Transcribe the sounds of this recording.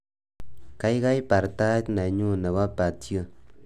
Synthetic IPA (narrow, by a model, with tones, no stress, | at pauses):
ka˦i˦ka˦i˦pa˨ɾta˦tna˨ɲu˦˨ne˨wa˦pa˨tjo˦˨